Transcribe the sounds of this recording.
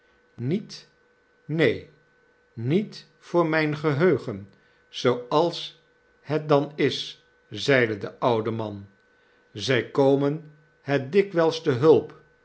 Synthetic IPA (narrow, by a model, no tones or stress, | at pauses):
nit | nej | nit | fʊːɹmɛjnχəɦøɥχən | z̥owɑlˠs | hɛt̚dɑnɪs | zɛjdədəʔʌwdəmɑn | zɛjkowmən | hɛt̚dɪkʋɛlˠstəɦɵlˠp